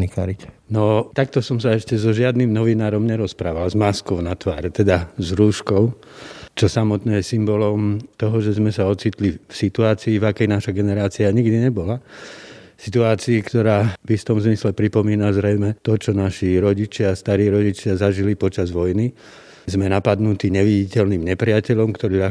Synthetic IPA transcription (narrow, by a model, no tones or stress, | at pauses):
nikaɾic | nɔt̪ak̚t̪ɔsɔmsaɛʃcɛzɔʒɪad̪nimnɔʋinaːɾɔmɲɛɾɔspɾaːʋalzmaskɔʊnat̪ʋa̰ːɾɛt̪ɛd̪azɾuːʃkɔʊ | t͡ʃɔsamɔt̪nɛːjɛsimbɔlɔmt̪ɔɦɔʒɛzmɛsaɔt͡siːt̪lifsit̪uaːt͡siːvakɛjnaʃaɡɛnɛɾaːt͡siaɲiɡd̪iɲɛbɔla | sit̪uaːt͡siːkt̪ɔɾaːvift̪ɔmzmislɛpɾipɔmiːnazɾɛjmɛt̪ɔt͡ʃɔnaʃiɾɔɟit͡ʃɪast̪aɾiːɾɔɟit͡ʃɪazaʒilipɔt͡ʃazʋɔjni | zmɛnapad̪nut̪iːɲɛʋiɟicɛlniːmɲɛpɾɪacɛʎɔmkt̪ɔɾiːa